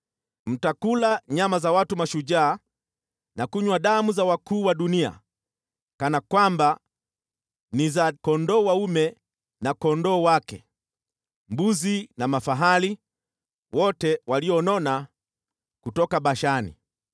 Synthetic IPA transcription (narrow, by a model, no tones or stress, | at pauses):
m̩takulaɲamazawatumaʃuʄaː | nakuɲwaɗamuzawakuːwaɗunia̰ | kanakwamba | nizakɔndɔːwaumɛ | nakɔndɔːwakɛ | mbuzinamafaɦali | wɔtɛwaliɔnɔna | kutɔkaɓaʃanḭ